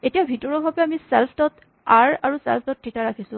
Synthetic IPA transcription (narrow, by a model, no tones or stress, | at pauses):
etijabʱitɔɹɔbʱabɛamisɛlpʰtɔt | aɹa̰ɹusɛ̰lp̚ʰtɔtʰːitaɹakʰisʊ̃